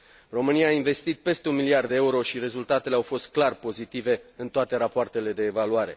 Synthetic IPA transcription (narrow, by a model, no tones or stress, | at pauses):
ro̞mɨniaːinve̞st̪it̪̚pe̞st̪eunmiliard̪eeuɾo̞ʃiɾe̞zult̪at̪e̞leawfo̞st̪̚klarpo̞zit̪ive̞ɨnt̪oat̪e̞ɾapoart̪e̞le̞d̪e̞ːvaluaɾe̞̰